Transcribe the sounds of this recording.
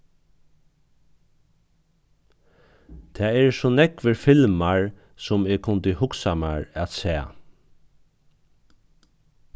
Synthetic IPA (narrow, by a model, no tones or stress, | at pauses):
t̪ʰɛːɛɹsɔnɛkʋəɾfɪlmaɹ | sʊmeːɡkʰʊnt̪əhʊksama̰ɹat̪sɛː